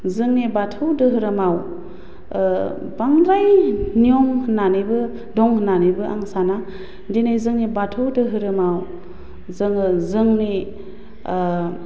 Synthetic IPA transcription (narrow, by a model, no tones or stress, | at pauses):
zɯŋnibatʰɯwdɯɦɯɾɯmaw | baŋɾajniɔŋhɯnːanibɯ | dɔŋhɯnanibɯʔa̰ŋsana | dinajzɯŋnibatʰɯwdɯɦɯɾɯmaw | zɯŋɯzɯŋni